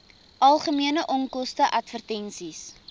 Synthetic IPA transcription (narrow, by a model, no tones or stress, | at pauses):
ʔɐlˠχəmiənəʔɔŋkɔstəʔɐtfərtɛnsis